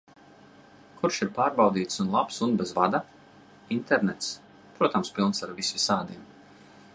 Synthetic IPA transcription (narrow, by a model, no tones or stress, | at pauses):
kʰuɾʃiɾpaːɾbawd̪iːt̪sunlˠapsunbɛzvad̪a | int̪ɛɾnɛt̪s | pɾuɔt̪amspʲilˠnsaɾvisʲvisaːd̪iɛm